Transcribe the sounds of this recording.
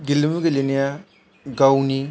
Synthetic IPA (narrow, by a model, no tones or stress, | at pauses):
ɡilimuɡelenija | ɡawuni